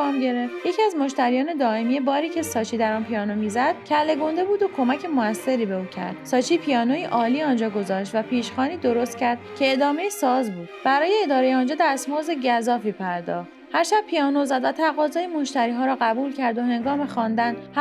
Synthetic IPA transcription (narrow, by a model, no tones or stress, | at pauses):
mɟe̞ɾeft̪jecʰiæzmo̞ʃt̪æɾijɒːne̞d̪ɒːemijebɒːɾiːcʰe̞sɒːt͡ʃʰiːd̪æɾɒːnpʰiɒːnomiːzæd̪̥̚cʰælːe̞ɡo̞nd̪e̞buːd̪o̞kʰo̞mæcʰemoæsːe̞ɾiːbe̞uːcʰæ̰ɾd̪̥sɒːt͡ʃʰiːpʰijɒːnojiʔɒːliːɒːnd͡ʒɒːɡo̞zɒːʃt̪væpʰiːʃxɒːniːd̪o̞ɾo̞st̪cʰæɾd̪̥cʲʰe̞ːd̪ɒːme̞jesɒːzbuːd̪b̥æɾɒːjeːd̪ɒːɾe̞jeɒːnd͡ʒɒːd̪æsmozeɟæzɒːfiːpʰæɾd̪ɒ̰ːχ | hæɾʃæb̚pʰijɒːnozæd̪væt̪ʰæɣɒːzɒːjemo̞ʃt̪æɾiːɦɒːɾɒːɣæbuːlcʰæɾd̪ohe̞ŋɡɒːmexɒːnd̪ænd̪h